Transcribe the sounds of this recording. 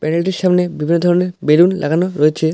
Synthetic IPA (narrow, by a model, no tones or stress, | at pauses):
pɛnelʈiɾʃamnebibʱinːod̪ʱɔɾoneɾbelunlʔa̰ɡanoɾojet͡ɕʰe